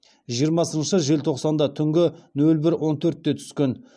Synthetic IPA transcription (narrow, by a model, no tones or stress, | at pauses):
ʒijəɾmɑsənʃəʒe̞lt̪ʰo̞qsɑnd̪ɑt̪ʰʏŋɡʲɪnɵlbɪɾwo̞nt̪ʰɵɾt̪ːe̞t̪ʰʏ̥skʲe̞n